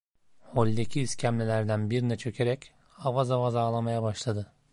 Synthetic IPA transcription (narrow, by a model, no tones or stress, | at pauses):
ho̞lʲd̪ecʰiːscʰæmlʲelʲæɾd̪ænbiɾinɛt͡ʃʰø̞cʰe̞ɾɛc | avazavazaːlˠamajabaʃlˠad̪ɯ